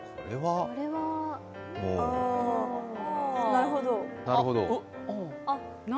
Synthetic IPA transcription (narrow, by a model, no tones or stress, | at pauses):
oɾeβaoɾeβa | moːa | naɾɯ̟ɦo̞d̪onaɾɯɦo̞d̪o̰ | a | na